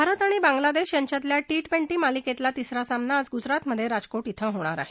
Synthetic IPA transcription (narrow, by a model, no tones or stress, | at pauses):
bʱaɾət̪aɽ̃ibãŋɡlad̪eɕjaɲt͡ɕjat̪ljaʈiʈpeɳʈiːmaliket̪lat̪isɾasamnaːd͡zɡud͡zɾat̪məd̪ʱːjeɾad͡zkoʈit̪ʰəɦoɽ̃aɾa̰ɦe